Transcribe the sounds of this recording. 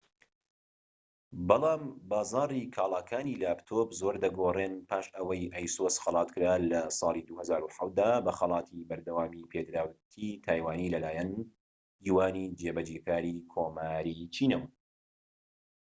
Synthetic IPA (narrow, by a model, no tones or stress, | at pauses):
bɑlˠɑːmbaːzɑːrˤikʰaːlˠaːkʰaːniːlaːpt̪ʰobzoːɾd̪ɐɡoreːnpʰaːʃʔəwɐjʔɐjsosxɑlˠɑːt̪kɨɾaːlɐsˤɑːlˠid̪uhɐzaːɾuħawt̪̚d̪aːbɐxɐlˠɑːt̪ʰibɐɾd̪ɐwaːmipʰeːd̪ɾaːwt̪ʰit̪ʰaːjwaːnilɐlaːjɛn | d͡ʒiːwaːniːd͡ʒebɐd͡ʒeːkaːɾiːkʰoːmaːɾiːt͡ʃʰiːnɐwɐ